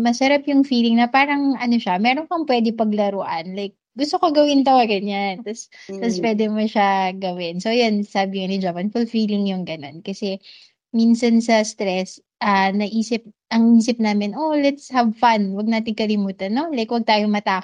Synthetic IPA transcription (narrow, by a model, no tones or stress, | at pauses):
mɐsɐɾapjʊŋfiːlɪŋnɐpaːɾɐŋʔɐno̞ʃɐmɛːɾoŋkɐŋpwɛːd̪ɪpɐɡlɐɾoʔɐnlajk̚ɡʊst̪okoɡɐwɪnt̪ɐwaɡɐɲant̪ɐst̪ɐspwɛːd̪ɛmoʃaɡɐwɪnsojonsaːbɪŋɐnɪnd͡ʒaːpɐnfʊlfiːlɪŋjʊŋɡɐno̞nkɐsɛ | minsɐnsɐst̪ɾɛs | ʔɐnɐʔiːsɪp̚ʔɐŋʔiːsɪp̚naːmɪnʔolɛt̪shɐbfanwɐɡ̚naːt̪ɪŋkɐlɪmuːt̪ɐnːo̞lajkwɐɡ̚t̪aːjomɐt̪aː